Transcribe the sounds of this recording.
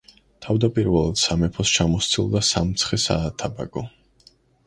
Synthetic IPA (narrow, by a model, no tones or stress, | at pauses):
t̪ʰavd̪apʼiɾvɛlˠad̪̥samɛpʰɔst͡ʃʰamɔst̪sʰilˠd̪asamt̪sʰχɛsa̰ːt̪ʰaba̰ɡɔ